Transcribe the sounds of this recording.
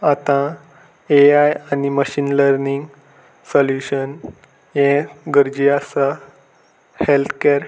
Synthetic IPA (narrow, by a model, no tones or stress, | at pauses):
at̪ã | eajaniməɕiːnləɾniŋɡ | səljuɕən | jẽɡəɾd͡ʑiasa | helt̪ʰkeɾ